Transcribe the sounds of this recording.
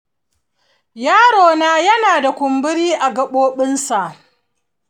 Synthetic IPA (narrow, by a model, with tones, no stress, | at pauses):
jaː˦ɽoː˨naː˦jɐ˦naː˨da˨kʷʊ˨mbɪ˦ɽiː˦ʔa˨ɡɐ˨ɓoː˦ɓɪ˦nsa˨ʔ